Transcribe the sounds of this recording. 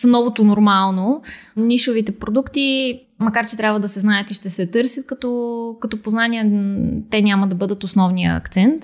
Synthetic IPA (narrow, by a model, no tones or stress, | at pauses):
snɔvot̪onoɾmalˠnoniʃovit̪ɛpɾod̪ukt̪i | mɐkaɾt͡ʃɛt̪ɾʲabvəd̪ɐsɛznaət̪iʃt̪ɛsɛt̪ɤɾsjət̪̚kɐt̪ɔkɐt̪ɔpoznaniɛt̪ɛnʲaməd̪ɐbɤd̪ət̪osnɔvnijə̰ɐ̰kt̪sɛnt̪